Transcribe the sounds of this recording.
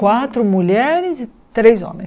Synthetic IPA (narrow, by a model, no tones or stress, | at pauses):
wat̪ɾʊmuʎɛɾɪzi | t̪ɾezɔ̰̃mẽ